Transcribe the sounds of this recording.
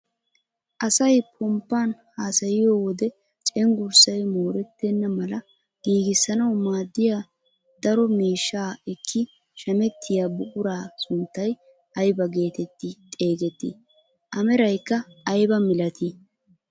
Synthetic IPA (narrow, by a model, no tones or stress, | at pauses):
ʔɐsɐjpʰɔmpːaːnhaːsɐjɪjoːwɔd̪ɛ | t͡ʃʼɛŋɡʊɾsɐjmoːɾɛt̪ːɛnːɐmɐlɐ | ɡ̥iːɡɪsːɐnɐwmaːd̪ːɪjaː | d̪̥ɐɾɔmiːʃːaːɪkʰːɪ | ʃɐmɛt̪ʰːɪjaːbʊkʼʊɾaːsʊnt̪ːɐj | ɐjbɐɡe̞ːt̪ɛt̪ːɪt̪ʼe̞ːɡɛt̪ːɪ̰ | ʔɐmɛɾɐjkːɐːjbɐmɪlɐt̪ɪ